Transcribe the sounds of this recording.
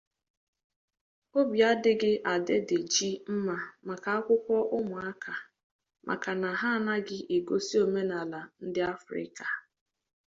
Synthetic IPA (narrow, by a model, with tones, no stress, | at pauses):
o˦bja˦dɪ˦ɡɪ˦ʔa˨de˦dɪ˨d͡ʒi˦m̩˦ma˨ma˨ka˨a˦kʷʊ˦kʷɔ˦ʔʊ˦mʊ˨a˦kʰa˨ | mʔa̰˨ka˨na˨ɦa˦˨na˦ɡɪ˦ʔe˨ɡo˦si˦o˨me˦na˨la˨n̩˦dɪ˦a˦fɾɪ̰˦ka˨